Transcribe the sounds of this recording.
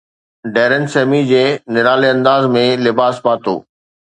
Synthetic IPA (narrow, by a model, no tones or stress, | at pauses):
ɖeːɾənseːmid͡ʑeːnɪɾaːleɐ̃nd̪aːzmẽlɪbaːspaːt̪o̰ː